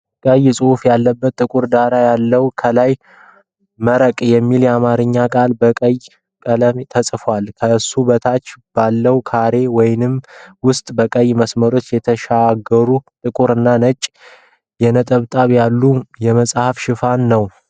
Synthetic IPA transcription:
kʼəjsʼɨhufjalːəbːət̪ːʼɨkʼuɾd̪aɾajalːəwkʰəlaj | məɾəkʼjɛmːiljɛamaɾɨɲːakʼalbəkʼəj | kʼələmt̪ʰəsʼfwalkʰəɨsːubət̪ʰat͡ʃːb̥alːəwkʰaɾe̞wɔjnɨmwʊst̪ʼbəkʼəjːməsməɾo̞t͡ʃːjɛt̪ʰəʃaɡəɾut̪ʼɨkʼuɾɨnːanət͡ʃʼ | jɛnət̪ʼəβt̪ʼaβjalːujɛməsʼhafʃɪfanːəw

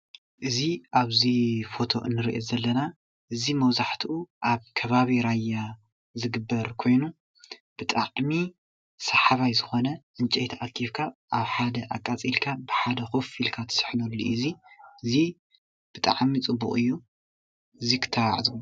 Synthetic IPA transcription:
ʔɨziʔaβzifo̞t̪ʰo̞̰ʔɨ̰nːɨɾḭʔezɐlːɐna | ʔɨzimɐβzaħt̪ʰiʔuʔaβkʰɐβaβiɾajːa | zɨɡɨbːɐɾkʰo̞jnu | b̥ɨt̪ʼaʕmi | sɐħaβajzɨxo̞nɐʔɨnt͡ʃʼɛjt̪ʰɐʔakʰːiβkʰaʔaβħad̪ɐʔakʼːat͡sʼilkʰabɨħad̪ɐxofilkʰat̪ʰɐ̥sɨ̥ħnulːḭʔɨziɨzi | b̥ɨt̪ʼa̰ʕmit͡sʼɨbːukʼɨjːu | ɨzikʰɨ̥t̪ʰːawa̰ʕzu

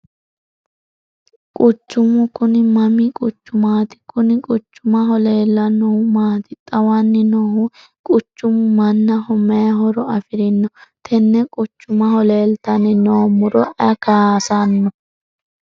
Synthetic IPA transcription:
kʼʊt͡ʃːʊmʊkʊnɪmɐmikʼʊt͡ʃːʊmaːt̪ɪ̥kʊnɪkʼʊt͡ʃːʊmɐɦɔle̞ːlːɐnɔhʊmaːt̪ɪt̪ʼɐwanːɪnɔhʊ | kʼʊt͡ʃːʊmʊmɐnːɐhɔmɛjɐɦɔɾɔɐfɪɾɪnːɔt̪ʰɛnːɛkʼʊt͡ʃːʊmɐhɔle̞ːlt̪ɐnɪnoːmʊɾɔʔɐkaːsanːɔ

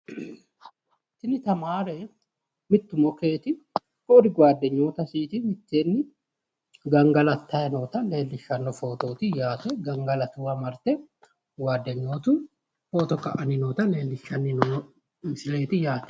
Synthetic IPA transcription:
t̪ɪnɪt̪ɐmaːɾeː | mɪt̪ːʊmɔke̞ːt̪ɪ | koːɾɪɡwaːd̪ːɛɲːoːt̪ɐsiːt̪ɪmɪt̪ːeːnːɪ | ɡɐŋɡɐlɐt̪ʰːɐɛnoːt̪ɐle̞ːlːɪʃɐnːɔfoːt̪oːt̪ɪjaːt̪ɛɡɐŋɡɐlɐt̪uːɐmɐɾt̪ɛ | waːd̪ːɛɲːoːt̪u | foːt̪ɔkɐ̰ʔɐnɪnoːt̪ɐleːlːɪʃɐnːɪn | sɪleːt̪ɪjaːt̪ɛ̥

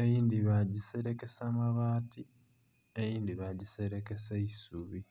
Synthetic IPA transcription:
ejiːnd̪iβaɟiseɾe̞ke̞samaβaːti | ejiːnd̪iβaɟiseɾeke̞seisuβi

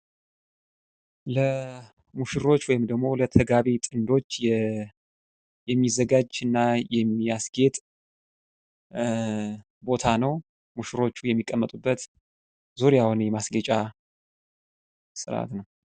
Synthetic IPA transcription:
lə | muʃɪɾo̞t͡ʃːwɔjɪmd̪əɡmo̞lət̪ʰəɡaβit̪ʼɨnd̪o̞t͡ʃːɛ | jɛmːizːəɡad͡ʒɨnːajɛmːijasɡe̞t̪ʼ | bo̞t̪ʰanəw | muʃɨɾo̞t͡ʃːujɛmːikʼːəmːət̪ʼubːət̪ | zuɾjahunjɛmasɡət͡ʃʼa | sɨɾʔa̰t̪nəw

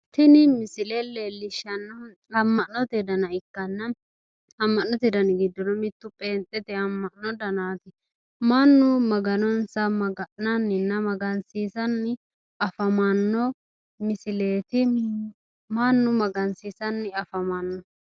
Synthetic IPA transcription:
t̪ɪnɪmɪsɪlelːeːlːɪʃɐnːɔ | ɐmːɐʔnɔt̪ɛd̪ɐnɐɪkːɐnːɐ | ɐmːɐʔnːɔt̪ɪd̪ɐnɪɡɪd̪ːɔnɔmɪt̪ːʊpʼeːnt̪ʼːɛt̪ɛɐmːɐʔnɔd̪ɐnaːt̪ɪ | manːʊmɐɡɐnɔnsɐmɐɡɐʔnɐnːɪnːɐmɐɡɐnsiːsɐnːɪ | ɐfɐmɐnːɔ | mɪsɪleːt̪ɪ | manːʊmɐɡɐnsiːsɐnːɪɐfɐmɐnːɔ

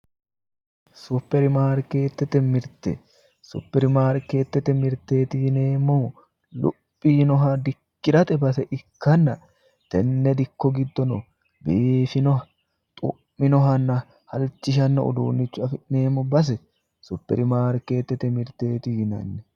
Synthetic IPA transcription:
sʊpːɛɾɪmaːɾkeːt̪ːɛt̪ːɛmɪɾt̪ɛ̰ | sʊ̰pːɛɾɪmaːɾkeːt̪ːɛt̪ːɛmɪɾt̪ːe̞ːt̪ɪɪne̞ːmːɔ | lʊ̰pʼːiːnɔɦɐd̪ɪkːɪɾɐt̪ʼɛbɐsɛʔɪkːɐnːɐ | t̪ɛnːɛd̪ɪkːɔɡɪd̪ːɔnɔ | beːfɪnɔɐ | t̪ʼʊ̰ʔːɪnɔɦɐnːɐ | hɐlt͡ʃːɪʃ̬ɐnːɐʊ̰d̪uːnːɪt͡ʃːʊɐfɪʔne̞ːmːɔbɐs̬ɛ | sʊpːɛ̰ɾɪmaːɾke̞ːt̪ːɛt̪ːɛmɪɾt̪e̞ːt̪ɪhɪnɐ̰nːɛ

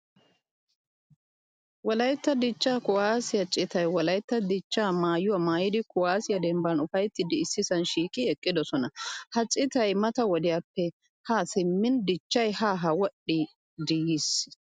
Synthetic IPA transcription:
wɔlɐjt̪ːɐd̪ɪt͡ʃːaːkʊwaːsɪjɐt͡ʃʼːɪt̪ɐjwɔlɐjt̪ːɐd̪ɪt͡ʃːaːmaːjʊwamaːjɪd̪ɪkʊwaːsɪjɐd̪ɛmbɐnʊfɐjt̪ːɪd̪ɪːsːɪsɐnʃiːkʼɪɛkʼːɪd̪ɔsɔnɐhɐt͡ʃʼːɪt̪ɐjmɐt̪ɐwɔd̪ɪjɐpːɛ | haːsɪmːɪnd̪ɪt͡ʃːɐjhaːɦɐwɔɗːɪ | d̪ɪjis

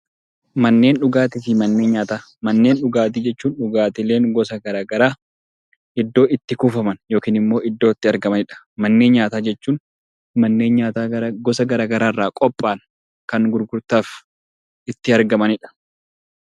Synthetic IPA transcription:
mɐnːe̞ːnᶑʊɡaːt̪ɪfɪmɐnːe̞ːɲaːt̪aː | mɐnːe̞ːnᶑʊɡaːt̪̬id͡ʒɛt͡ʃːuːnᶑʊɡaːt̪ɪle̞ːŋɡɔsɐɡɐɾaːɡɐɾaː | ɪd̪ːo̞ːʔɪt̪ːɪkʊfɐmɐnjo̞ːkiːnɪmːo̞ːʔɪd̪ːo̞ːɪt̪ːɪɐɾɡɐmɐnɪᶑɐ̥ | mɐnːe̞ːnɲaːt̪aːd͡ʒɛt͡ʃːuːn | mɐnːe̞ːnɲaːt̪aːɡɔsɐɡɐɾaːɡɐɾaːrːaːkʼɔpʼːaːn | kɐŋɡʊɾɡʊɾt̪aːf | ɪt̪ːɪɐɾɡɐmɐnɪᶑɐ̥

